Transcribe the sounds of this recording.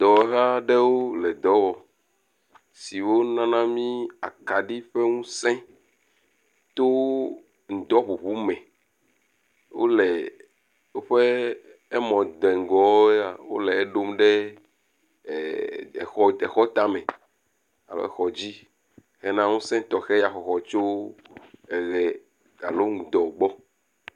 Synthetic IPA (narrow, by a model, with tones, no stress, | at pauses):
d̪̥ɔ˨˦ɣa˦ɖe˦wo˦lɛ˨d̪ɔ˦wɔ˨ | si˨wo˦nã˦nã˦mĩ˦a̰˨ka˨ɖi˦ɸe˦ŋũ˦sɛ̃˦ | t̪o˦ | ŋ̩˨d̪ɔ˦ɸu˨βu˦mɛ̃˨ | wo̰˦lɛ˨ | wo˦ɸe˦ | e˦mɔ̃˨d̪ɛ˨ŋ˨ɡɔ˨˦a˨wo̰˦lɛ˨e˦ɖo˦mɖe˦˨ | xɔ˦e˨xɔ˦t̪a˦mẽ˨ | a̰˨lḛ˦xɔ˨d͡ʑi˦ | xɛ˦nã˦ŋũ˦sɛ̃˦t̪ɔ˨xɛ˦ja˨xɔ˨xɔ˨t͡ʃo˦ | ɛ˨ɣɛ˨ | a̰˨lo˦ŋu˨d̪ɔ˨ɡ͡bɔ˦